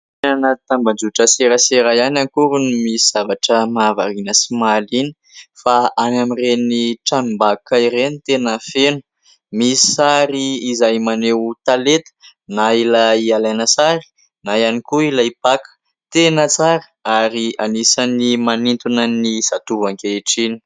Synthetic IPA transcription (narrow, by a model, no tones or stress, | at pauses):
enanat̪ambad͡ʒuʈ͡ʂəseɾəseɾajanankuɾunimisiz̥avaʈ͡ʂəmava̰ɾinəsimalini̥ | faanamireniʈ͡ʂanimbakaiɾenit̪enəfenu̥ | misi̥saɾiːzajmanewt̪alet̪ə̥ | nailaialajnəsaɾi̥ | najanikuilaipakə̥ | t̪enət͡saɾə̥aɾianisanimanint̪unənisat̪uvaŋkeeʈ͡ʂini̥